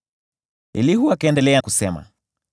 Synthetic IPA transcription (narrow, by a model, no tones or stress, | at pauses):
ḭlihuakɛndɛlɛakusɛma̰